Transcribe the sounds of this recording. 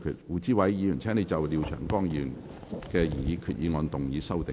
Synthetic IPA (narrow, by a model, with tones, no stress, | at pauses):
kʰy̰ː˧t̚wuː˨˩t͡siː˥wɐ˨˧jːiː˨˧jy˨˩nt͡sʰɛː˥ŋne˨˧jt͡sɐ˨wli˨˧wt͡ʃʰœ̰ː˨˩ŋkɔː˥˩ŋjiː˧i˧˩jy˨˩n | kɛː˧jiː˨˧kʰyː˨˧t̚ʔjiː˨˧ŋɔː˧nt̪ʊ˨ŋjiː˨˥sɐ˥wt̪ɪ˨